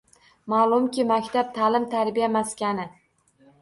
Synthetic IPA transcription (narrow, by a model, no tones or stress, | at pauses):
malˠʊmkʲʰɪmakʲt̪ʰap̚t̪ʰalɪmt̪ʰaɾbijamaskʲanɪ